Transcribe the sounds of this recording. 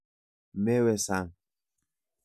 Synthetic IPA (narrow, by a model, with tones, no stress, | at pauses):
mɛ˦wɛ˨sa˦˨ŋ